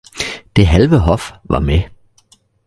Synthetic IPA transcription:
d̥e̝ɦælʋəɦɒ̽fʋɑ̈me

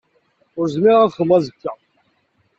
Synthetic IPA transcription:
ʊɾzmɪʁæðχəmːæzəkːæ

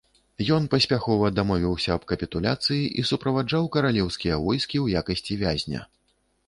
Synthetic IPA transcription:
jɔnpɐsʲpʲaxɔvɐd̪amɔvʲiwsʲɐːb̥kɐpʲit̪ulʲat̪sɨjiʔisupɾɐvad͡ʐawkɐɾalʲɛwskʲijɐvɔjskʲiwjakɐsʲt͡sʲivʲazʲnʲɐ̰

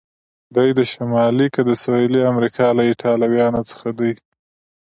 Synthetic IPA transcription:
d̪ajd̪əʃamɑlikəd̪əsailiamɾikʰɑlaɪʈʰɑlawjɑnot͡sə̥xad̪əj

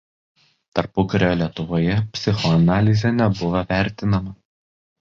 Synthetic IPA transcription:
t̪ɐɾpʊkɐɾʲoːlʲiɛt̪ʊʋoːjɛpʲsʲɪxɔɐnɑːlʲɪzʲɛnʲɛbʊʋɐʋʲæˑɾʲt̪ʲɪnɐmɐ

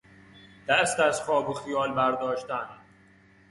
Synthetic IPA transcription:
d̪̥æst̪æzχɒːboxijɒːlbæɾd̪ɒːʃt̪æn

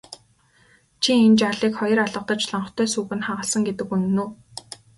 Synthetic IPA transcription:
t͡ɕʰient͡ɕaɮiːkχɔjɞ̆raɮə̆qt̪ɞ̆t͡ɕɮɔɴɞ̆t̪ʰœːsuːɣɘ̆nχaʁə̆ɮsə̆ŋɡet̪ɘ̆kuŋnuː

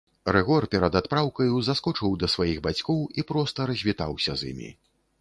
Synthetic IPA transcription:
ɾɛɣɔrpʲɛɾɐd̪at̪pɾawkɐjuzaskɔt͡ʂɨwd̪ɐsvajiɣbat͡sʲkɔwipɾɔst̪ɐɾɐzʲvʲit̪a̰wsʲɐzʲḭmʲḭ

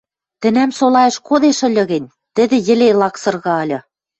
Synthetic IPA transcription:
t̪ɘ̆næmsolɑjɤ̆ʃkoðeʃɘ̆lʲɤ̆ɣɘ̆nʲ | t̪ɘ̆d̪ɘ̆jɘ̆lelɑksɤ̆rɣɑɤ̆lʲɤ̆

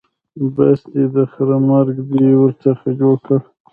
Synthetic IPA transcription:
basd̪id̪əxɾamaɾɡd̪iwəɾt͡səxad͡ʒoɽkə

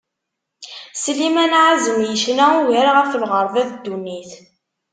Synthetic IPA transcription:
slimænʕazəmjəʃnæuwiɾaʁæflʁəɾˤvæðd̪ːunːiθ

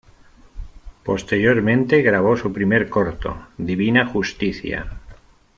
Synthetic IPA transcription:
po̞st̪e̞ɾjoɾmẽ̞nt̪e̞ɣɾaβ̞o̞supɾimeɾkoɾt̪o̰d̪iβ̞inaxust̪iθja̰

